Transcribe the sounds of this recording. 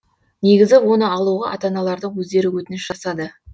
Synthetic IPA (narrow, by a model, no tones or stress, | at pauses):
ne̞ɡʲɪzɪwo̞nəɑlˠuʁɑʔɑ̰t̪ɑnɑlˠɑɾd̪əɴwɵzd̪e̞ɾɪwɵt̪ɪnɪʃʒ̥ɑsɑd̪ə